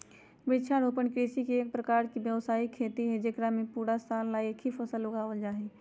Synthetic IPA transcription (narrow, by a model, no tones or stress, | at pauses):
bɪt͡ʃʰaɾoːpənkɾiːsikeːk̚pɾəkaːɾkibjəʋsaːikʰeːt̪iɦɛd͡ʒekɾamẽpuːɾasaːlːaːiekʰipʰəsəlːʊɡaːwəld͡ʒaːɦeː